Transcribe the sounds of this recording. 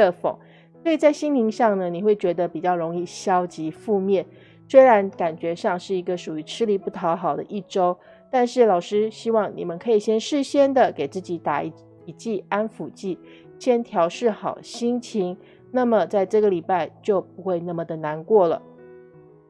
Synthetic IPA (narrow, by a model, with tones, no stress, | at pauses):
ə˥˩fo̰˨˩˦ŋ | swɔ˧˥i˨˩t͡sa˥˩ɪɕi˥ŋt̪ʰi˧˥ŋɕɑ˥˩ŋnə˩ni˨˩xwe˥˩ɪt͡ɕɥɛ˧˥d̪ə˧pi˨˩t͡ɕjɑ˥˩ʊɻo˧˥ŋi˥˩ɕjɑ˥ʊt͡ɕi˧˥fu˥˧mjɛ˥˩n | swe˥ɪɻa˧˥nka˨˩nt͡ɕɥɛ˧˥ʂɑ˥˧ŋʂɻ̩˥˩i˧˥ɡə˧ʂu˨˩y˧˥ʈ͡ʂʰɻ̩˥li˧˥pu˥˩t̪ʰɑ˧˥ʊxɑ˨˩ʊd̪ə̰˦ʔi˥˩ʈ͡ʂo˥ʊ | t̪a˥˧nʂɻ̩˥˩lɑ˨˩ʊʂɻ̩˥ɕi˥wɑ˥˩ŋnḭ˨˩mə˦nkʰɤ˧˥i˨˩ɕjɛ˥nʂɻ̩˥˩ɕjɛ˥nd̪ə˨ke˨˩ɪt͡sɹ̩˥˩t͡ɕi˧˥t̪a̰˨˩˧ | i˧˩t͡ɕi˥˩a˥nfu˨˩t͡ɕi˥˩ | ɕjɛ˥nt̪ʰjɑ˧˥ʊʂɻ̩˥˩xɑ˨˩ʊɕi˥ŋt͡ɕʰi˧˥ŋ | na˥˩mə˩t͡sa˥˧ɪʈ͡ʂɤ˥˩ɡə˩li˨˩pa˥˧ɪt͡ɕjo˥˩ʊpu˧˥xwe˥˧ɪna˥˩mə˩d̪ə˩na˧˥nkwɔ˥˩lə̰˩